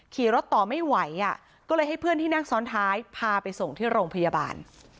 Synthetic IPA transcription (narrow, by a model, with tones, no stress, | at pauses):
kʰiː˨˩ɾo˦˥t̪ːɔː˨˩ma˥˩jwa˩˦jʔa˧˩ | kɔː˥˩lɤː˧jha˥˩jpʰɯ˥˩ənt̪ʰiː˥˩naː˥˩ŋsɔː˦˥nt̪ʰaː˦˥jpʰaː˧pa˧jso˨˩ŋt̪ʰiː˥˩ɾoː˧ŋpʰa˧ja˧ba̰ː˧n